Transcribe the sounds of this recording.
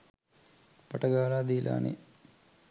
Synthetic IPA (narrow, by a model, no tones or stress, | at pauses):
pɐʈɐɡaːlaːd̪iːlʔa̰ːnḛ